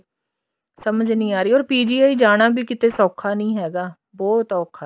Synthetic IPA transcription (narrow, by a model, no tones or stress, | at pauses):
səməd͡ʒnĩːaːɾiːɔːɾpiːd͡ʒiːaːiːd͡ʒaːɽ̃aːbʱiːkɪt̪eːsɔːkʰaːnĩːɦɛːɡaː | bɔːt̪ɔːkʰa